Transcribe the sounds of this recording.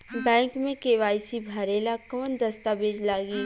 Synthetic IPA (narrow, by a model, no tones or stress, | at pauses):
bɛ̃ːŋkmẽkeʋaːsibʱɐɾeːlakɐʋənd̪ɐst̪abeːd͡ʒlaːɡiː